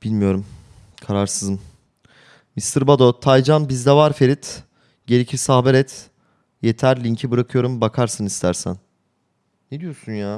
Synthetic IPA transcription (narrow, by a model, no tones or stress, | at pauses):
b̥ilʲmijo̞ɾum | kʰaɾaɾsɯzɯm | mist̪ʰɯɾbad̪o̞t̪ʰajd͡ʒanbizd̪ɛvaɾfe̞ɾit̪ | ɟe̞ɾicʰisahbɛɾɛt̪ | je̞t̪ʰæɾlʲiɲcʰibɯɾakʰɯjo̞ɾumbakʰaɾsɯnist̪ʰæɾsæ̰nː | ed̪ijo̞ɾsunjaː